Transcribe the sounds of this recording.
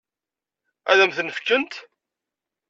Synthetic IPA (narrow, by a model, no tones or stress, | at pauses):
æ̰ðæmθənəfkːənt̪